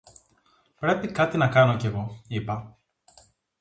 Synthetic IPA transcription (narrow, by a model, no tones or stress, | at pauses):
pɾepikat̪inɐkanoceɣo̞ipɐ